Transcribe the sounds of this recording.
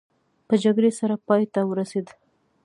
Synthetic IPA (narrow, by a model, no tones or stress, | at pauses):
pəd͡ʒaɡɽesaɾapɑjt̪awəɾased̪